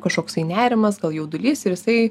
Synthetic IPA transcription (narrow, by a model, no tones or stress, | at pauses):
kɐʃkoːkst̪ɐɪnʲæːɾʲɪmɐsɡɐlˠjɛʊd̪ʊlʲiːsɪɾjɪsɐɪ